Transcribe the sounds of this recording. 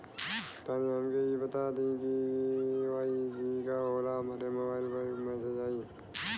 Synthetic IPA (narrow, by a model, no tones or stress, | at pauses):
t̪aniɦəmkeibət̪ad̪ĩki | ʋaid͡ʒikaɦoːlaɦmaːɾeməʋaːlpəɾmə̃sed͡ʒaːiː